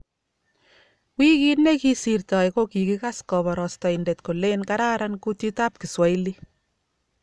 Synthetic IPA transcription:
kwi˦ki˦tne˦ki˦si˨rtɔ˨jko˦ki˨ki˦ka˦skɔ˨bɔ˨ɾɔ˨stɔ˨inde˨tko˨le˦nkaɾa˦ɾanku˦ti˦ta˦p̚ki˨swa˨i˦li˦

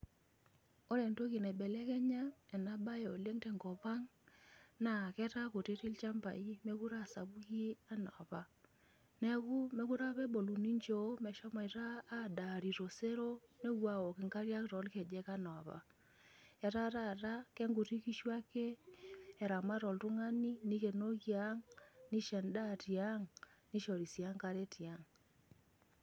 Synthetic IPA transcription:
o˦ɾe˨nto˦ki˨nɛ˨bɛ˨lɛ˦kɛ˦ɲa˦ɛ˨na˦ba˦je˨o˨le˦ŋtɛ˨ŋɡɔ˨pa˦ŋ | na˨kɛ˦ta˦ko˨ti˦ɾi˦lt͡ʃa˦mba̰˨i˦me˦ku˦ɾa˦˨sa˨bu˦ki˦a˦nɔ˨a˨pa˦ | nɛ˦ku˦me˦ku˦ɾa˦pɛ˦bo˨lu˨ni˦ɲd͡ʒo˦mɛ˨ʃɔ˦ma˨i˨ɾaː˦˨da˨ɾi˨ɾo˨se˦ɾo˦ne˦ɣwa˦o˨ke˨ŋka˦ɾja˦kɾɔ˨˦lke˨d͡ʒɛ˦ka˦nɔ˨βa̰˨ | e˨ɾa˦ɾa˦˨ɾa˦kɛ˦ŋɡu˨ɾi˦ki˦ʃwa˦keː˦˨ | ɾa˨ma˦ɾɔ˨lɾu˦ŋa˦ni˦ni˦ɣe˨no˦ɣja˦ŋni˦ʃɛ˨nda˦ɾi˨a˦ŋni˦ʃo˨ɾi˨sa˦ŋka˦ɾe˦ti˨a˦ŋ

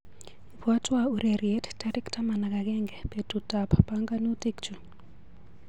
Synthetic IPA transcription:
pa˦twau˨ɾe˨ɾiɛ˦ttaɾɛ˦kta˦ma˨na˨ka˨ɡɛ˦ŋɡɛ˨pe˨tuta˨ppaŋɡa˦n˦u˦te˦kt͡ʃu˨

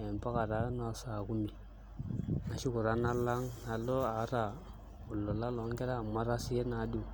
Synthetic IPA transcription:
e˨mpa˦ka˨ɾa˦na˦˨sa˨ku˦mi˨ | na˨ʃu˦ku˨ɾa˦na˦lːa˦ŋna˨lːo˦a˨˦ɾa˨ | u˨lːo˨la˦lo˨˦ŋ˦kɛ˦ɾa˦˨mːa˦ɾa˦si˦e˦na˨˦du˦˨

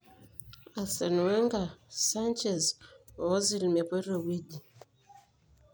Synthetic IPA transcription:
a˨sɛ˨nu˨ɛ˦ŋɡa˨sa˦nt͡ʃɛ˨zɔ˨˦zi˨lmɛ˨pɔ˦ɾo˨wi˦di˨

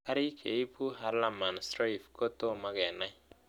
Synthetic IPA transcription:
a˦ɾi˦kʰe˨i˦pu˦ɦa˨ɾla˨ma˨nsɾa˦i˨fko˦to˦ma˦ɡɛ˨na˦j

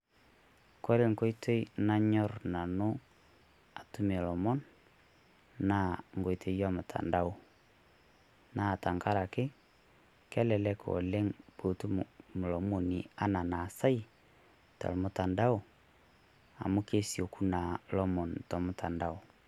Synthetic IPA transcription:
ko˦ɾe˦ŋ˨ko˦i˦to˦i˦na˦ɲɔ˦ɾna˨no˦ | a˨tu˦me˨lɔ˨mɔ˦n | na˦˨ŋɡo˨i˨tʰe˨˦jɔ˦mʊ˨tʰa̰˨nda˦o˨ | na˦˨ta˨ŋka˦ɾa˨kɪ˦ | kɛ˦lɛ˨lɛ˦kʰo̰˨le˦ŋb̥o˨tu˦m˨mʊ˨lɔ˨mo˨ni˨a˦na˨na˨sa˦i˦ | ta̰˨lmʊ˨ta˨nda˦o˨ | a̰˨mo˦ke˦sjo˨ku˦na˨lɔ˦mɔ˨ntɔ˨mʊ˦tʰa˨nda˦o˨

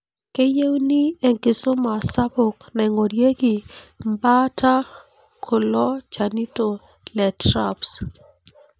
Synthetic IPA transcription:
ke˦je˦wni˦e˨ŋkɪ˨so˦ma˨sa˦bo˨knɛ˨ŋo˨ɾje˦ɡɪ˨mba˦ta˦ | kʰo˨lɔ˦t͡ʃa˨ni˦to˨ | lɛ˨tɾa˦ps

